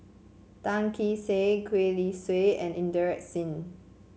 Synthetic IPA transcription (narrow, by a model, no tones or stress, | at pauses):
tãŋkiseɡwelisweɛ̃nʔĩndəɹɛk̚tsĩn